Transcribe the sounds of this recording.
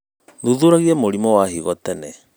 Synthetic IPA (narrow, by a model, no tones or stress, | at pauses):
ðuðuɾaɣiɛmoɾimɔwahiɣɔtɛnɛ